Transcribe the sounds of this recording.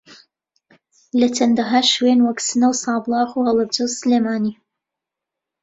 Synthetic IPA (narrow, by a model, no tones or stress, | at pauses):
lɐtʰɐnd̪ɐɦaʃweːnwɐksɨnɐwsɑːblˠɑːxuhɐlˠɐbd͡ʒowsɨleːmaːniː